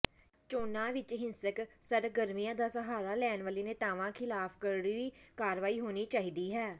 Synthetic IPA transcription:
t͡ʃoːnãːʋɪt͡ʃɦɪnsəksəɾɡəɾmijãːd̪aːsəɦaːlaːlɛːnʋaːliːneːt̪aːʋãːkʰɪlaːpʰkəɾɽiɾiːkaːɾʋaːiːɦoːniːt͡ʃaːɦiːd̪iːɦɛː

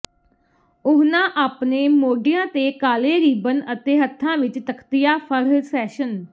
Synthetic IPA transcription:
ʊɦnãːʔaːpneːmoːɖɪjãːt̪eːkaːleːɾiːbənət̪eːɦət̪ʰːãːʋɪt͡ʃt̪əkʰt̪ɪjaːpʰəɾsɛːʃən

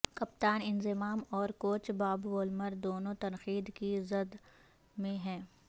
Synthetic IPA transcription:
kɐp̚t̪aːnɪnzɪmaːmɔːɾkoːt͡ʃbaːbʋoːlməɾd̪oːnõt̪ɐnxiːd̪kizɐd̪ | mẽɦɛ̃ː

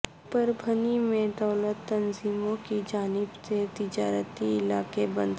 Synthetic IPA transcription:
pəɾbʱənimẽd̪ɔːlət̪ːɐnziːmõkid͡ʒaːnɪbset̪ɪd͡ʒaːɾət̪iɪlaːkebə̰̃nd̪ʱ

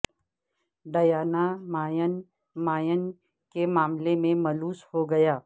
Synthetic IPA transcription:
ɖɐjaːnamaːjən | maːjən | kemaːmlemẽmɐluːshoɡɐjaː

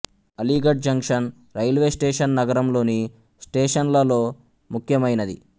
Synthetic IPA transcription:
ɐliːɡɐɖ̚d͡ʒɐŋkʂɐn | ɾɐjlʋe̞ːsʈeːʂɐnːɐɡɐɾɐmlo̞ːni | sʈeːʂɐnlɐlo̞ː | mukʰjɐmɐjnɐd̪ḭ

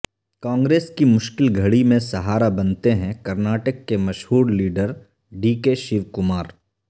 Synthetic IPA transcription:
kãːŋɡɾeːskimʊʃkɪlɡʱɐɽimẽsɐɦaːɾabɐnt̪eɦɛ̃kɐɾnaːʈəkːemɐʃɦuːɽliːɖəɾ | ɖiːkeːʃɪʋkʊmaːɾ

